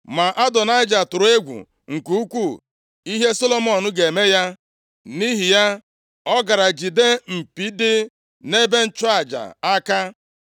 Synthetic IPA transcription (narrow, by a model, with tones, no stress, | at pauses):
ma˨ʔa˦dɔ˨na˦ɪ˦d͡ʒa˨tʊ˨ɾʊ˨e˦ɡʷṵ˨ | ŋ̩˨ku˦u˦kʷu˦˨ | i˦ɦe˦so˦lo˦mɔ˨nʊ˦ɡe˨me˦ja˦ | ni˦ɦi˨ja˦ | ɔ˦ɡa˨ɾa˨d͡ʒi˨de˦m̩˨pi˦dɪ˦ | ne˦be˦n̩˦t͡ʃʊ˦a˨d͡ʒa̰˨a˦ka˦